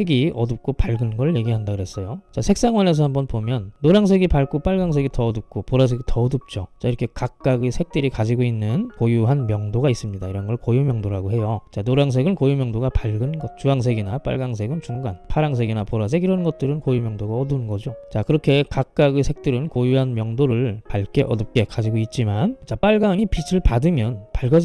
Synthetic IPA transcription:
seɡiʌdup̚k͈opaɭɡɯnɡʌɭje̞ɡiɦandaɡɯɾɦe̞s͈ʌjot͡ɕasʰe̞k̚s͈aŋwʌne̞s̬ʰʌhambʌnpomjʌnːoɾaŋs̬ʰe̞ɡipaɭk͈op͈aɭɡaŋs̬ʰe̞ɡitʌːdup̚k͈opoɾas̬ʰeɡitʰʌdup̚t͡ɕ͈ot͡ɕaiɾʌkʰe̞kak̚k͈aɡesʰe̞k̚t͈ɯɾikad͡ʑiɡoinːɯnkojuɦanmjʌŋdoɡais͈ɯmɲidaiɾʌnɡʌɭkojumjʌŋdoɾaɡoɦe̞jot͡ɕanoɾaŋs̬ʰe̞ɡɯnkojumjʌŋdoɡapaɭɡɯnɡʌt̚t͡ɕuaŋs̬ʰe̞ɡinap͈a̰ɭɡaŋsʰe̞ɡɯnt͡ɕuŋɡanpʰaɾaŋsʰe̞ɡinapoɾas̬ʰe̞ɡiɾʌnɡʌt̚t͈ɯɾɯnkojumjʌŋdoɡaʌdunɡʌd͡ʑot͡ɕakɯɾʌkʰe̞kak̚k͈aɡesʰe̞k̚t͈ɯɾɯnkojuɦanmjʌŋdoɾɯɭpaɭk͈e̞ʔʌdɯp̚k͈e̞kad͡ʑiɡoit̚t͡ɕ͈imant͡ɕap͈aɭɡaŋipʰisʰɯɭpadɯmjʌnpaɭɡʌd͡ʑi

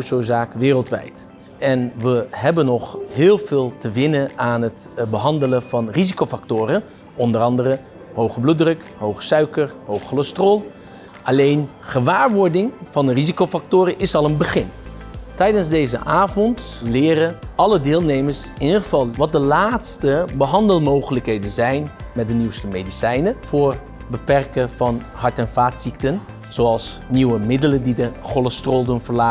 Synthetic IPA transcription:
sozaːkʋɪːrəlˠtʋɛ̰jt | ɛnʋəɦɛbənɔχɦɪːlˠvɪːlˠtəʋɪnəaːnɦətbəɦɑndələv̥ɑnrizikowfaktʊːɾə | ɔndəɾɑndəɾə | ɦowχəblut̚drɵk | ɦowχə̥sœɥkəɹɦowχəlɔstrolˠ | ʔɑlejn | χəʋaːɹʋɔɹdɪŋv̥ɑndərizikowfɑk̚tʊːɾəʔɪsɑlˠənbəχɪntɛjdənzdejzə̰ʔaːvɔntlɪːɾəɑlədɪːlˠnejməɹsɪnidχəvɑlˠʋɑt̚dəlaːtstəbəɦɑndəlˠmowχələkɦejdənzɛjnmɛdəniwstəmejdisɛjnəvʊːɹ | bəpɛrkəv̥ɑn | ɦɑɹtɛnvaːtsik̚tən | z̥oɑlˠsniwəmɪdələndidəχoləstrolˠdənvəɹlaː

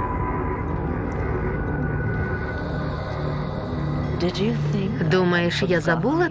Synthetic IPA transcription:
d̥ɪd͡ʒɨθŋd̪umɐjɛʂjazabulˠɐ

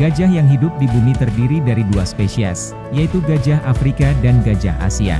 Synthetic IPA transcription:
ɡ̥ad͡ʒahjaŋɦidʊp̚dibunit̪ərdiɾidaɾiduaspesia̰s | jait̪uɡad͡ʒahafɾikadanɡad͡ʒa̰ha̰sia̰

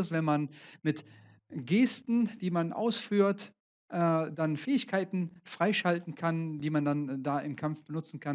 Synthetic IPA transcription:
sv̥ɛnmanmɪt | ɡeːstn̩d̥iːmanʔa̰ʊsfyːɐt | ʔɛdanfɛːɪçkʰaɪtn̩fʁ̥aɪʃaltn̩kʰand̥iːmandandaːʔɪmkʰamfb̥ənʊt͡sn̩kʰan

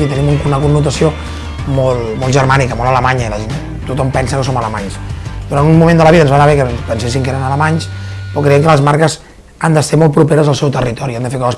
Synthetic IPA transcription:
it̪ənimuŋkunəkunːut̪əsio | mɔlˠmɔlˠʒəɾmanikəmolˠələmaɲəiləʒen | t̪ut̪ɔmpɛnsəkəsomələmaɲsd̪uɾanunmumẽnd̪ələβiðənzβanəβɛkəpənsesiŋkeɾənələmaɲspɾɔkɾəjɛmkələzmaɾkəz | and̪əseɾmɔlt̪̚pɾupeɾəzəlˠsɛwt̪ərit̪ɔɾiand̪əfeɾkɔzəs

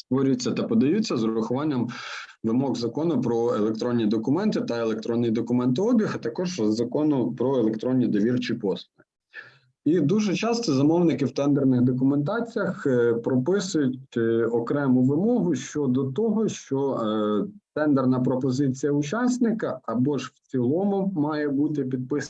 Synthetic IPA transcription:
st̪ʋɔɾʲjt͡sʲːɐt̪ɐpɔd̪ɐjut͡sʲːɐzɾʊxʊʋɑnʲːɐm | ʋɪmɔɣzɐkɔnʊpɾɔelˠek̚t̪ɾɔnʲːid̪ɔkʊmɛnt̪ɪt̪ɐelˠek̚t̪ɾɔnːɪjid̪ɔkʊmɛnt̪ɪɔbʲixɐt̪ɐkɔʒzɐkɔnʊpɾɔelˠekt̪ɾɔnʲːid̪ɔʋʲirt͡ʃɪpɔsʊɪ | id̪uʒɛt͡ʃɑst̪ɔzɐmɔwnɪkɪwt̪ɛnd̪ernɪɣd̪ɔk̬ʊment̪ɑt͡sʲijɐxpɾɔpɪsʊjʊtʲɔkɾɛmʊʋɪmɔɦʊʃt͡ʃɔd̪ɔt̪ɔɦɔʃt͡ʃɔ | t̪ɛnd̪ernɐpɾɔpɔzɪt͡sʲijɐʊt͡ʃɑsʲnɪkɐɐbɔʒwt͡sʲilˠɔmʊmɑjɛbut̪ɪpʲid̪̚pɪs

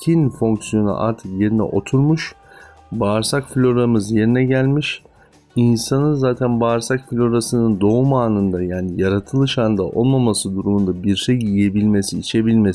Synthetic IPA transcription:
cʰinfo̞ŋksijo̞nṵʔa̰ɾt̪ʰɯkje̞ɾinɛ̰ʔo̞t̪ʰuɾmuʃ | baːɾsakflʲo̞ɾamɯzje̞ɾinɛɟælʲmiʃ | insanɯnzaːt̪ʰænbaːɾsakflʲo̞ɾasɯnɯnd̪o̞umaːnɯnd̪ajaːnijaɾat̪ʰɯlˠɯʃand̪a̰ʔo̞lˠmamasɯd̪uɾumund̪abiɾʃejjije̞bilʲme̞siːt͡ʃʰe̞bilʲmes

